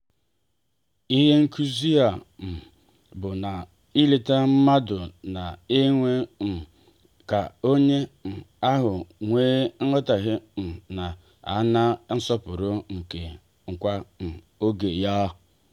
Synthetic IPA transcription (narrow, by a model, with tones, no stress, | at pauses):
i˦ɦe˦ŋ̩˦kʰu˦zi˦a˨m̩˨ | bʊ˨na˨ | i˦le˨ta˦m̩˦ma˦dʊ˨na˨e˦ŋʷe˦m̩˨ | ka˨o˦ɲe˦n̩˨a˦ɦʊ˨ŋʷeː˦n̩˦ɔ˦ta˨ɦɪ˦m̩˨na˨ | a̰˨˦na˦n̩˦sɔ˦pʊ˨ɾʊ˦ŋ̩˨ke˨ | ŋ̩˨kʷa˦m̩˨ | o˦ɡe˨jɔ˦